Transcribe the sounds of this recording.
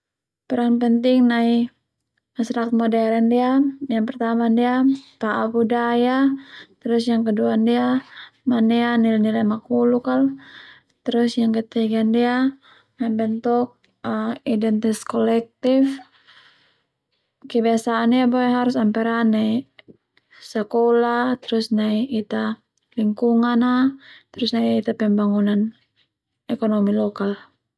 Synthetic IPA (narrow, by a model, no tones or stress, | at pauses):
pəɾaŋpənt̪ɪŋnai | masɾakat̪̚modɛɾɛndiajaŋpərt̪amandiap̪aʔabudajat̪əɾʊsjaŋkəduaːndiamanianilnilamakulukal | t̪əɾʊsjaŋkət̪ɛiɡandia | nabənt̪ʊk̚ | idɛnt̪iskɔlɛk̚t̪if | kɛbiasaːndiabɔɛɦaɾusampɛɾanai | sakɔlat̪ɛɾusnaiʔːt̪a | liŋkuŋanat̪ɾusnaiːt̪apɛmbaŋunan | ɛkɔnɔmilɔkal